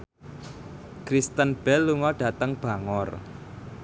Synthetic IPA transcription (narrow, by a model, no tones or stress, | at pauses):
kɾist̪ənb̥ɛlːuŋɔɖ̥a̤t̪əŋb̥ä̤ŋɔr